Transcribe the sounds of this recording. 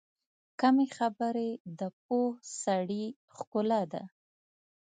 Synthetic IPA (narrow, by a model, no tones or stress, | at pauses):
kamexabəɾed̪əp̚ohsaɽi | xkʊlad̪a̰